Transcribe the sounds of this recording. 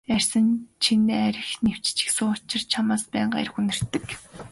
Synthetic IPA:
ær̥ʲsə̆nt͡ɕʰinæɾʲɪ̆xnew̥t͡ɕt͡ɕɪ̥̆ksʊːt͡ɕɪ̆rt͡ɕʰamaːspæːɴɢa̰jɾ̆xunɵ̆r̥t̪ːɘ̆k

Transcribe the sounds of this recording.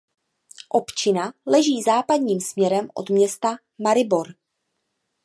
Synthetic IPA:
ʔo̞pt͡ʃɪnalɛʒiːzaːpadɲiːmsmɲɛɾɛmʔo̰d̪mɲɛst̪a | maɾɪbo̞ɾ

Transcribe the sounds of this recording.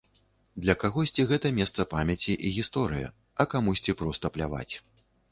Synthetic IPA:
d̪lʲɐkaɣɔsʲt͡sʲiɣɛt̪ɐmʲɛst̪sɐpamʲjɐt͡sʲiʔiɣʲist̪ɔɾɨjɐ̰ | ɐkamusʲt͡sʲipɾɔwst̪ɐplʲa̰va̰t͡sʲ

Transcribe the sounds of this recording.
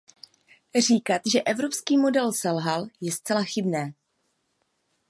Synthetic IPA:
r̝iːkat̪ʒɛʔɛvɾo̞pskiːmo̞dɛlsɛlɦaljɛst͡sɛlaxɪbnɛː

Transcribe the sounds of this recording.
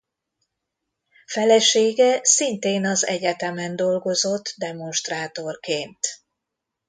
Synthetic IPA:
fɛlɛʃeːɡɛsint̪eːnɒzɛ̰ɟɛt̪ɛmɛnd̪o̞lɡo̞zo̞t̪ːd̪ɛmo̞nʃt̪raːt̪o̞rkeːnt̪

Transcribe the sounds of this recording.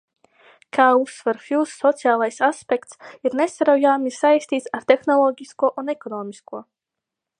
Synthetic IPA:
kʰaːusːvɛɾfisːɔt̪sijaːlˠajsaspʲɛkt̪siɾnesaɾawjaːmʲisajsʲt̪iːt̪saɾt̪exnɔlˠɔːɡʲiskuɔʔunɛkɔnɔːmʲiskuɔ

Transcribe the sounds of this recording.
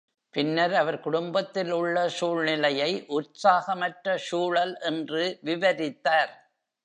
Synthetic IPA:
pɪnːɐɾɐʋɐɾkʊɽʊmbɐt̪ːɪlʊɭːɐʂuːɭnɪlɐjɐɪʔʊɾsaːɣɐmɐʈrɐʂuːɭɐlʔɛndrɯʋɪʋɐɾɪt̪ːaːɾ

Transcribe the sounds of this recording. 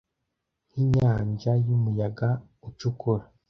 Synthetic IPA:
nhiɲaːɲʒajumujaɡa | ut͡ʃukuɾa

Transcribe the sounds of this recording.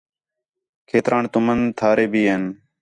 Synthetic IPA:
kʰeːt̪ɾʔaːɳt̪ʊmənt̪ʰaːɾeːbiːɦeːn

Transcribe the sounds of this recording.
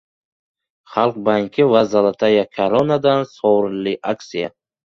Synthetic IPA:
χalˠq̚baŋkʲʰivazalat̪ʰajakʰaɾɔnad̪ansɔɾliʔaksija

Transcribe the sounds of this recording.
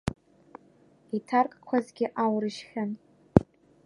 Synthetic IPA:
itʰarkʼkʷʰazɡʲɪʔawrɨʃχʲan

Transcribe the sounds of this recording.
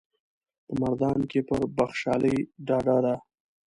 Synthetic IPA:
pəmaɾd̪ɑnkepəɾbaxʃɑləjɖɑɖad̪a

